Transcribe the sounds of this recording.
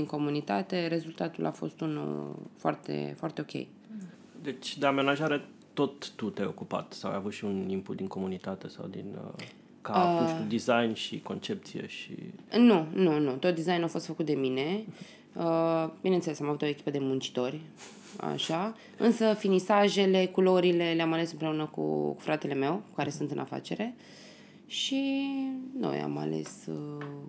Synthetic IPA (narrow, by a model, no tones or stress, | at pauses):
d̪iŋko̞munit̪a̰t̪e̞ɾe̞zult̪at̪ṵlʔa̰fo̞̰st̪unṵlfoa̰rt̪ḛfoart̪e̞o̞kʲe̞̰j | d̪e̞t͡ʃʲd̪eamenaʒaɾe | t̪o̞t̪ːut̪eo̞kupa̰t̪sawa̰javut̪ʃiunimpud̪iŋko̞munit̪at̪e̞sa̰wd̪ḭn | kaud̪izajnʃiko̞̰nt͡ʃe̞p̚t̪sijḛʃḭnununut̪ot̪̚d̪izajnawfo̞st̪fəkut̪̚d̪e̞mine̞ | əbinent̪selesamavut̪o̞ekʲi̥pəd̪e̞munt͡ʃi̥t̪o̞rʲ | a̰ʃa | ɨnsəfinisaʒe̞le̞kulo̞ɾile̞leamale̞sɨmpɾe̞unəkṵkfɾat̪e̞le̞me̞wkaɾe̞sunt̪ɨnʔa̰fa̰t͡ʃe̞ɾe̞ | ʃi | no̰ja̰ma̰le̞̰sə